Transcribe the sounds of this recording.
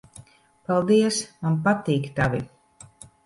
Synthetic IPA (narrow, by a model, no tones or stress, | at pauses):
palˠd̪iɛsmanpat̪iːkt̪avʲi